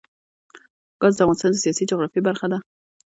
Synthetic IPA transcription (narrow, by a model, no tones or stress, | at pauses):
ɡ̥ɑzd̪əafʁɑnɪst̪ɑnd̪əsijɑsid͡ʒʊɣɾɑfibaɾxad̪a